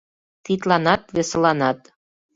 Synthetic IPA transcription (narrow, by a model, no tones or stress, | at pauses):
t̪it̪lɑnɑt̪̚βesəlɑnɑt̪